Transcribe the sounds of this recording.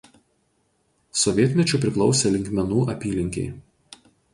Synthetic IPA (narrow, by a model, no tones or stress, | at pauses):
sɔʋʲiɛt̪ʲmʲɛt͡ʃʲʊˑp̬ʲɾʲɪklˠɒʊsʲɛlʲɪŋʲkʲmʲɛnuːʔɐpʲiːlʲɪŋʲkʲɛ̰ɪ